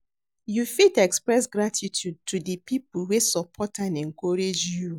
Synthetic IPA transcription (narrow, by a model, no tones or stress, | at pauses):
jufidɛkspɹɛs̬ɡɹatʰitʰjud̚tʰudəpipulwesɔpʰɔtãnɛ̃ŋkɔɹed͡ʒju